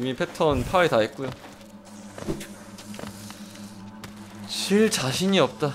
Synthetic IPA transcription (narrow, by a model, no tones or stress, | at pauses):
mipʰe̞tʰʌnpʰaetaɦet̚k͈ujo | t͡ɕiɭt͡ɕaɕʰiɲiʌp̚t͈a